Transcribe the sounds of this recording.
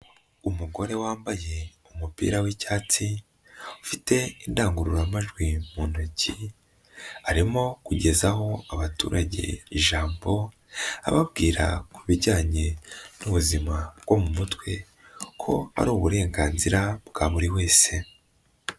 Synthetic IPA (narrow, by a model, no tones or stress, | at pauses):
umuɡo̞ɾe̞waːmbaje̞umupḭːɾawicaːt͡si | ufite̞indaːŋɡuɾuɾamaʒɡwimuːnoci | aɾimo̞kuɟe̞zaɦo̞aβatṵːɾʔaɟe̞̰iʒaːmbo̞ | a̰βabɡiːɾa̰kuβiɟaːɲe̞nuβuzimabɡ̥o̞mumutwe̞ | kʰo̞a̰ɾuːβuɾe̞ːŋɡaːnziɾabɡ̥aβuɾiwe̞ːse̞